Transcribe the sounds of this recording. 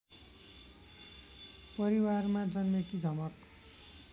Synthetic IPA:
pʌɾiwarmad͡zʌnːekid͡zʱʌmʌk

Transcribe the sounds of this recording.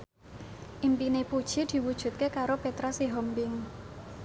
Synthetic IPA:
ʔimpinepud̥ʒ̥i̤d̪̥i̤wud̥ʒ̥ṳt̪̚kekaɾopet̪ɾasiɦɔmbɪŋ

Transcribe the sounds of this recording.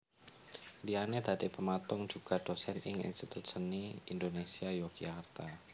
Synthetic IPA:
lianed̪̥ad̪̥ipəmat̪ʊŋ̥d͡ʒ̥uɡ̥a̤d̪̥osɛnɪŋḭnst̪it̪ʊt̪̚səniind̪onesiajoɡiakrt̪a

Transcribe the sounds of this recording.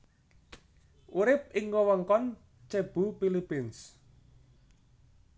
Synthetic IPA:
ʔuɾɪp̚ɪŋɡɔwəŋkɔn | t͡ʃeb̥ṳpilipɪns

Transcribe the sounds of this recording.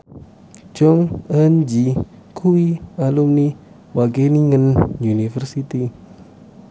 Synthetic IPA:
d͡ʒɔŋənd͡ʒi | kʰuwialumni | waɡeniŋənjunifərsit̪i

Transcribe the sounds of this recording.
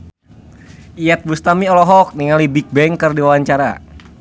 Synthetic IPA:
iɛt̪̚bust̪amiɔlɔɦɔk̚niŋalibik̚bɛŋkərdiwawaɲt͡ʃaɾa̰

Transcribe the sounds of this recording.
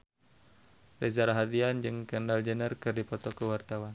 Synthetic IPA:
rezaɾaɦat̪iand͡ʒɨŋkəndald͡ʒənərkɨrdipɔt̪ɔkəwart̪awan

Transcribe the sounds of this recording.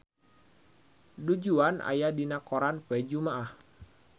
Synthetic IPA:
dud͡ʒuanʔa̰jadinakoɾanfɛd͡ʒumaʔah

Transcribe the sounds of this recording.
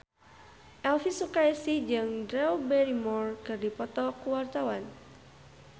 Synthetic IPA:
ʔɛlfisukaɛsid͡ʒɨŋdɾɛubɛɾimɔrkɨrdipɔt̪ɔkuwart̪awan

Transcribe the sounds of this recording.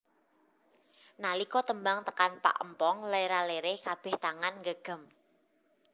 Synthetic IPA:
nalikɔt̪əmbaŋt̪ə̥kanpa̰ʔə̰mpɔŋlajɾaleɾekab̥ɛ̤ht̪aŋanŋɡəɡ̥ə̤m

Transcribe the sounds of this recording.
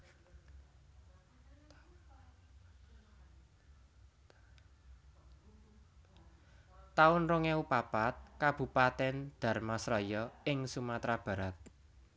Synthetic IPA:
t̪aʊnroŋɛupapat̪̚kab̥ṳpat̪ɛnd̪̥a̤rmasɾɔjɔɪŋsumat̪ɾab̥ä̤ɾat̪̚

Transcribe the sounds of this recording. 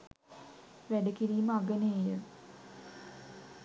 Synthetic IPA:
ʋæɖəkiɾiːməaɡəneejə

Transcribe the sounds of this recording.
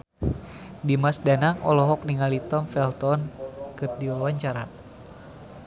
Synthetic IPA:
dimasdanaŋɔ̰lɔɦɔk̚niŋalit̪ɔmfɛlt̪ɔnkɨrdiwawaɲt͡ʃaɾa̰

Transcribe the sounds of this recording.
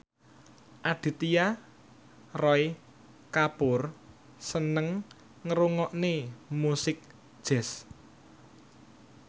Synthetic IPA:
ʔad̪̥i̤t̪ija | rɔj | kapʊr | sənəŋ | ŋəɾuŋɔʔnemusɪk̚ | d̥ʒ̥ɛ̤s

